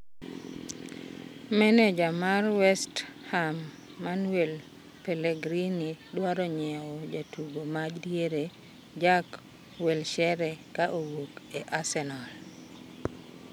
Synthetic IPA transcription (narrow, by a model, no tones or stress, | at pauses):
mɛnɛd͡ʒamarwɛsthamː | anwel | peleɡɾinidwaɾɔɲɛwɔd͡ʒatʰuɡomad͡ʒdjeɾe | d͡ʒak | wɛlʃɛɾɛkaʔowokeʔasɛnal